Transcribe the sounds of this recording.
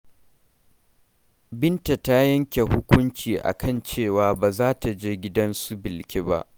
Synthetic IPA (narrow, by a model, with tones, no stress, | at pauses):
bɪ˦nta˨ta˦jɐ˦ŋkʲe˨hʊ˦kʷʊ˦nt͡ʃiː˨ʔa̰˨kʰɐ˦˨nt͡ʃeː˦˨waː˨baː˨zaː˦ta˨d͡ʒeː˦ɡʲɪ˦dɐ˦nsu˦bɪ˨lkʲe˦ba̰˦ʔ